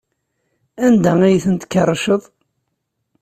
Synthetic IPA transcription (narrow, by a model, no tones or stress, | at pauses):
ænd̪æijθənt̪kːɑrˤːʃəðˤ